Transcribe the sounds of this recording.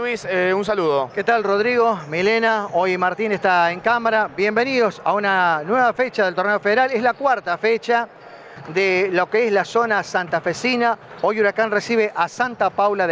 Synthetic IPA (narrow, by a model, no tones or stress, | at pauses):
wiseuns̬aluðoket̪alroðɾiɣo̞milenao̞jmaɾt̪inest̪aeŋkamaɾabje̞mbeniðo̞sa̰unanweβafet͡ʃaðelt̪o̞rneofeðeɾaleslakwaɾt̪afet͡ʃa | d̪elokeeslaso̞nasant̪afesinao̞juɾakanresiβeʔasant̪apawlað